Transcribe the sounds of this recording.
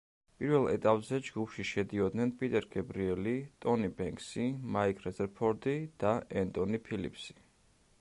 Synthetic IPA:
pʼiɾvɛlˠɛ̰t̪ʼapʼzɛd͡ʒɡupʰʃiʃɛd̪iɔd̪nɛnpʼit̪ʼɛɾɡɛbɾiɛlit̪ʼɔnibɛŋkʰsimaikʰʼɾɛzɛɾpʰɔɾd̪id̪̥aɛnt̪ʼɔnipʰilḭpʰsi̥

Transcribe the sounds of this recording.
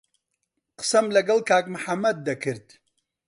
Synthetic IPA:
qɨ̥sɐmlɐɡɐlˠkaːkmɨħamːɐd̪̚ːɐkʰɨɾd̪̥

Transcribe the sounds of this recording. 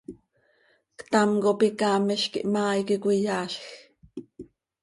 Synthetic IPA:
kt̪ɑmkopikɑːmiʃkiʔmɑːjkikʷijɑːɬx

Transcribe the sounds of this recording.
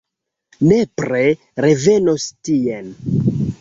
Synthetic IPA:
nepɾe | ɾe̞ve̞nostien

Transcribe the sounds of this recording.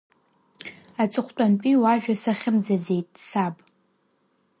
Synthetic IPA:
at͡sʼɨχʷt͡pʷʼant͡pʼiwaʒᶣasaχʲɪmd͡zad͡ze̞jtʼsabʼ

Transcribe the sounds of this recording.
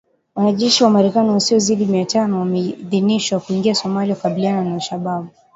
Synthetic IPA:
wanaʄɛʃiwamaɾɛkaniwasiɔziɗimiatanɔwamɛðiniʃwakuiŋɡiasɔmaliakaɓiliananaʃaɓaɓu

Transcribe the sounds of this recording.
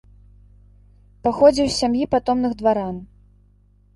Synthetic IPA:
paxɔd͡zʲiwsʲsʲamjipat̪ɔmnɨɣd̪vaɾan

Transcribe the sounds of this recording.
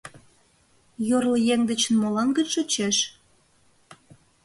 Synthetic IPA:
jorlə̆jeŋd̪ə̆t͡ɕə̆nmolɑnɡət͡ɕʃot͡ɕeʃ

